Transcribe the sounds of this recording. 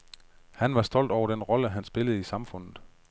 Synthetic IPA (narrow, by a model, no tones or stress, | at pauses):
hænʋɑ̈sd̥ɒ̽l̰d̥ɒʊɐd̥enʁɒ̽ləɦænsb̥e̝ləð̩ˠisɑ̈mfɔ̽n̰ð̩ˠ